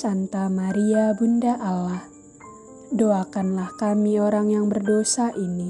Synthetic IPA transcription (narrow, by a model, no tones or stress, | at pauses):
sant̪amaɾiabundaʔalah | doakanlahkamioɾaŋjaŋbərdosaʔini